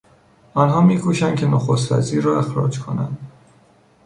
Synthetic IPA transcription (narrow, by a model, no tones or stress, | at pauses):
ɒnɦɒːmiːkʰuːʃænd̪kʰʲcʰenoxost̪væ̰ziːɾːɒːe̞xɾɒ̰ːd͡ʒkʰo̞næ̰nd̪